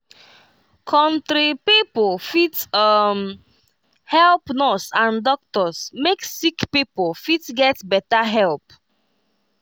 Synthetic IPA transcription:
kʰɔ̃ntɾipipolfitʌm | hɛlpnɔsãndɔk̚tɔsmeksikpipolfitɡɛtbɛtaɦɛlp̚

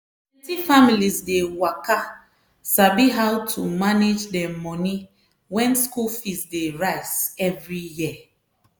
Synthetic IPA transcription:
ɛtifamilizdewaka | sabiɦaʊtʰumaned͡ʒdɛmɔni | wɛ̃nskulfisdeɹaɪzɛvɹijiə

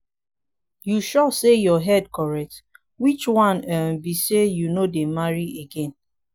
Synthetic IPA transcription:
juʃɔsejɔɦɛd̚kɔɹɛk̚t | wit͡ʃwãnɛm̩bisejunodemaɹieɡẽn

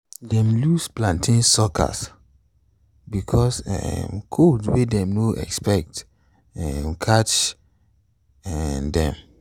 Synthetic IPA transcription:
dɛ̃mlusplãntʰĩnsɔkʰa̰s | bikʰɔsɛ̰mkʰodwedɛ̃mnoʔɛ̰kspɛk̚t | ɛmkʰat͡ʃ | ɛndɛ̰̃m

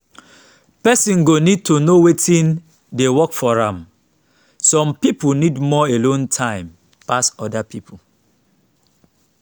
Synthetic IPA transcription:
pɛsĩnɡonid̚tʰonowetʰĩn | dewɔkfɔɹãm | sɔ̃mpipunidmɔelõntʰãɪ̃m | pasɔdapipʰu

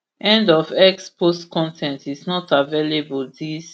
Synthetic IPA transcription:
ʔɛ̃ndɔvɛkspʰostkʰɔ̃ntʰɛ̃ntisnɔtavelebuldis

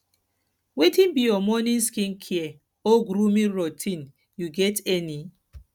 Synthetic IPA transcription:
wetĩnbijɔmɔnĩnskĩnkʰiɛ | oɡɾumĩɹotʰĩn | juɡɛtɛni

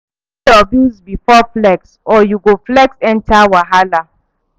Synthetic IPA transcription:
ɔbĩzbifɔflɛksɔjuɡoflɛksɛ̃ntawaɦala

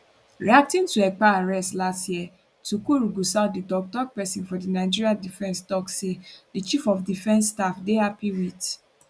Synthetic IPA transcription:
ɹiak̚tĩntuɛk͡paaɹɛstlastjiɛ | tukoɾuɡusaʊtdidɔk̚tɔk̚pɛsĩnfɔdinaɪd͡ʒiɹiadifɛ̃nstɔksedit͡ʃifɔfdifɛ̃nsːtafdehapiwid

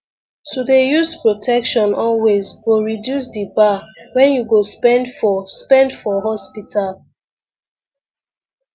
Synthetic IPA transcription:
tʰudejuspɹotʰɛkʃɔ̃nɔlwezɡoɹidjus̬dibawɛ̃njuɡospɛ̃ndfɔspɛ̃ndfɔɦɔspitʰal

